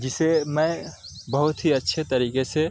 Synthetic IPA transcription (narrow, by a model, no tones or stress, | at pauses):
d͡ʒɪsemɛ̃ | bəɦʊt̪ɦiətːʃʰet̪əɾiːkese